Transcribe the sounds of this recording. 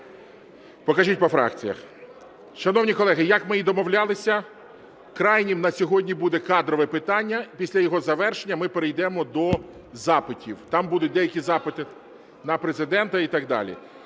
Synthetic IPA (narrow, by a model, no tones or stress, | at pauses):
pɔkɐʒitʲpɔfɾɑ̰kt͡sʲijɐ̰x | ʃɐnɔwnʲikɔlˠɛɦɪjɐkmɪid̪ɔmɔwlʲalˠɪsʲɐ | kɾɑjnʲimnɐsʲɔɦɔdʲnʲibud̪ɛkɑd̪ɾɔʋɛpɪt̪ɑnʲːɐpʲisʲlʲɐjɔɦɔzɐʋɛrʃenʲːɐmɪpeɾejd̪ɛmɔd̪ɔ | zɑpɪtʲiwt̪ɑmbud̪ʊt̚ʲd̪ɛjɐkʲizɑpɪt̪ɪ | nɐpɾezɪd̪ɛnt̪ɐit̪ɑɡd̪ɑ̰lʲḭ